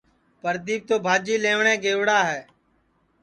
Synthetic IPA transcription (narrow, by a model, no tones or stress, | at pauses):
pəɾd̪iːb̚t̪oːbʱaːd͡ʒiːleːʋɳẽːɡeːʋɽaːɦɛː